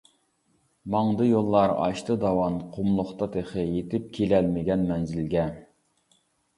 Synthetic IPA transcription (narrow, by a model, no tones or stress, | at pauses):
mɑŋd̪ɨjolˠːɑɾɑ̰ʃt̪ʰɨd̪ɑwɑnqʰʊmlˠʊχt̪ɑd̪eχəjet̪ɪp̚kʲʰelɛlmɪɡʲɛnmɛnzɪlɡʲɛ